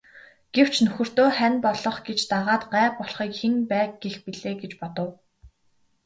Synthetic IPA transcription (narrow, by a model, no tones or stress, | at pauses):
ɡ̥ew̥t͡ɕnɵxɵ̆r̥t̪oːχænʲpɔɮɞ̆χɡet͡ɕt̪aʁaːt̪ɢæːpɔɮχiːkxenpæːk̚ɡexpiɮeːɡet͡ɕpɔt̪ɞ̆w